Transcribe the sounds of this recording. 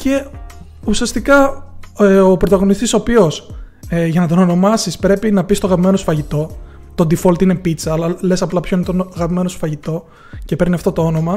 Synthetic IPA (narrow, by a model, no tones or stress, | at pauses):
ce̞ | usiɐst̪ikɐ | opɾo̞t̪ɐɣo̞nist̪iso̞pio̞sʝɐnɐt̪̬ono̞no̞mɐsispɾe̞pinɐpist̪oɐɣɐpime̞nosfɐʝit̪o̞ | t̪o̞nd̪ifolt̪ine̞pit͡sɐːlɐle̞sɐplɐpçoinet̪onɐɣɐpime̞nosfɐʝit̪o̞ | ce̞pe̞ɾniɐft̪o̞t̪o̞o̞no̞mɐ